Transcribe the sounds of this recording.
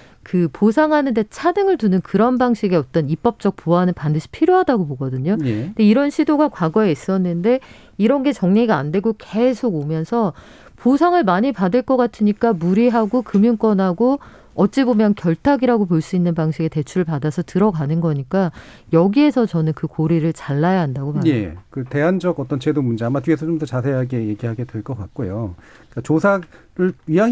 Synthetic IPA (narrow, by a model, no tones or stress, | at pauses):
kɯposʰaŋɦanɯnde̞t͡ɕʰanɯŋɯɭtunɯnkɯɾʌnbaŋɕʰiɡeʌt͈ʌnip͈ʌp̚t͡ɕ͈ʌk̚poanɯnpandɯɕʰi̥pʰiɾjoɦadaɡopoɡʌdɯɲonde̞iɾʌnɕʰidoɡakwaɡʌe̞is͈ʌnːɯnde̞ | iɾʌnɡe̞t͡ɕʌŋɲe̞ɡaandwe̞ɡoke̞sʰoɡomjʌnsʰʌ | posʰaŋɯɭmaɲipadɯɭk͈ʌk͈atʰɯɲik͈amuɾiɦaɡokɯmjuŋk͈ʌnɦaɡo | ʌt̚t͡ɕ͈ibomjʌnkjʌɭtʰaɡiɾaɡop̬oɭs͈uinːɯnpaŋɕʰiɡe̞te̞t͡ɕʰuɾɯɭpadasʰʌtɯɾʌkanɯnɡʌɲik͈a | jʌɡie̞sʰʌt͡ɕʌnɯnkɯkoɾiɾɯɭt͡ɕaɭːajaɦandaɡomaje̞̰kɯte̞ɦand͡ʑʌɡʌt͈ʌnt͡ɕe̞domund͡ʑeamatɥiesʰʌt͡ɕomtʌt͡ɕas̬ʰe̞ɦaɡe̞jeɡiɦaɡe̞dwe̞ɭk͈ʌk͈at̚k͈ojo | k͈at͡ɕosʰaɾɯɭɥia